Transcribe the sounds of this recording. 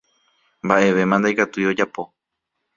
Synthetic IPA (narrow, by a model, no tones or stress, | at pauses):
mbaʔe̞ʋe̞mãnd̪ajkat̪ujo̞d͡ʒapo̞